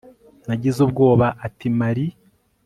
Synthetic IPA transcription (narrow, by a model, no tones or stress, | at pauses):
naɟizubɡo̞ːβaʔːtimaɾi